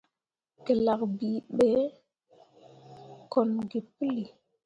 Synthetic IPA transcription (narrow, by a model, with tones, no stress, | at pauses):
kə˨la˨k̚bi˨ɓe˨˦ | ko˨nɡi˨pə˦li˨